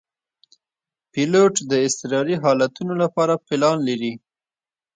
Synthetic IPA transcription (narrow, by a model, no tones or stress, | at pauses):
piloʈd̪əɪst̪ɪɾɑɾiɦɑlat̪unolapɑɾapɪlɑnlaɾi